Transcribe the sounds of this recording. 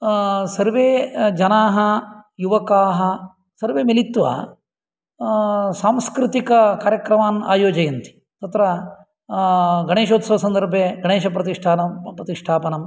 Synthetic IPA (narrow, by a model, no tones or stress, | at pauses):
sɐɾʋeːd͡ʒɐnaːɦɐjuʋɐkaːɦɐ | sɐɾʋeːmelit̪ʋɐ̰ | saːmskɾɪt̪ikɐkaːɾjɐkɾɐmaːna̰ːjoːd͡ʒɐjɐnt̪i̥ | t̪ɐt̪ɾɐ | ɡɐɳeːʃoːt̪sɐʋɐsɐnd̪ɐɾbʱeɡɐɳeːʃɐpɾɐt̪iʂʈʰaːnɐpɾɐt̪iʂʈʰaːpɐnɐm